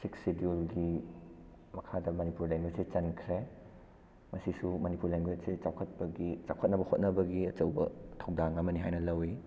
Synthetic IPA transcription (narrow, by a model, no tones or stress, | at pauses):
siksidiulɡi | mɐkʰadɐmɐnipuɾleŋɡwet̚sit͡ʃɐnkʰɾe | mɐsisumɐnipuɾleŋɡwet̚sit͡ʃawkʰɐt̚pɐɡit͡ʃawkʰət̚nɐbɐhot̚nɐbɐɡiɐt͡ʃɐwbɐ̰tʰɐwdaŋɐmɐniɦajnɐlɐwi